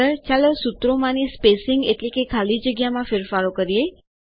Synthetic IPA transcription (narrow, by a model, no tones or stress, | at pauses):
ət͡ʃalesut̪ɾomãnispesɪŋɡeʈlekekʰalid͡ʒəɡjamãfeɾfaɾokəɾije